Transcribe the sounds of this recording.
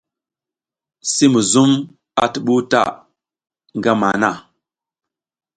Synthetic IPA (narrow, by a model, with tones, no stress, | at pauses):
si˦mu˨zu˦m | a̰˨tə˨ɓu˦ta̰˦˨ | ŋɡa˦ma˨na˦˨